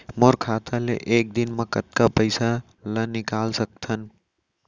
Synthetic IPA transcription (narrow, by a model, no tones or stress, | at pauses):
moɾkʰaːt̪ʰalḛʔeːk̚d̪inməkət̪kapəɪsa | lənɪkaːlsək̚t̪ʰən